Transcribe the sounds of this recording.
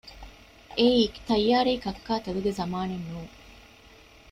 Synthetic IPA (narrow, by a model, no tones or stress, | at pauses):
ʔeiːkt̪ɐjːaːɾeːkɐkːaːt̪ɐluɡezɐmaːnenːuːŋ